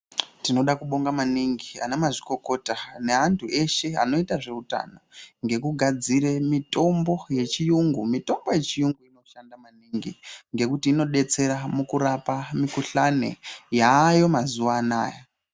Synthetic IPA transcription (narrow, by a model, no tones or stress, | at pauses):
tino̞ɗakuɓo̞ŋɡamaniŋɡia̰neamaʐiko̞ko̞tane̞ɦantʰuʔe̞ʃe̞a̰no̞itaʐe̞uta̰noŋɡe̞kuɡʱad͡ziɾe̞mito̞mbo̞je̞t͡ʃijuŋɡumito̞mbo̞je̞t͡ʃijuŋɡuino̞ʃandamaniŋɡḭŋɡe̞kutiːno̞ɗe̞t͡se̞ɾamukuɾapamikuɬanḛjaːjo̞mazuʋaːna̰ːja